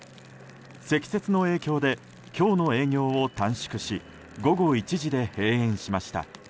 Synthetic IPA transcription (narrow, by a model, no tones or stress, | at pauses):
se̞kʲi̥se̞t͡sɨno̞e̞ːkʲo̞ːd̪e̞ | kʲo̞ːno̞e̞ːɡʲo̞ːot̪ãɰ̃ɕi̥kɯ̟ɕi | ɡo̞ɡo̞it͡ɕiʑid̪e̞he̞ːẽ̞ɰ̃ɕimaɕi̥t̪a̰